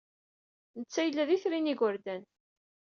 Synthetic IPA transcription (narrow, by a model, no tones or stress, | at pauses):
nət͡sːæjəlːæðiθɾiniɡʷəɾd̪æn